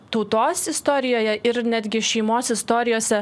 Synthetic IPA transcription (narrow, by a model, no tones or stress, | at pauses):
t̪ɒʊt̪oːsɪst̪oɾʲɪjoːjɛʔɪɾnʲæd̪ʲɡʲɪʃʲɛɪmoːsʲɪst̪oːɾʲɪjoːsʲɛ